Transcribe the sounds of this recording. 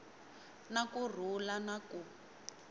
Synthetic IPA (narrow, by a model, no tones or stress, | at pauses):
nakur̤ulanaku